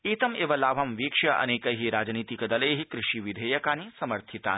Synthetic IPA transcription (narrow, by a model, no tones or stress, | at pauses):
iːt̪ɐmeːʋɐlaːʋʱɐmʋiːkʂɐʔɐ̰neːkɐɦiɾaːd͡ʒniːt̪ikɐd̪ɐleːɦikɾɪʃiʋid̪ʱeːjɐkaːnisɐmɐɾt̪ʰit̪a̰ː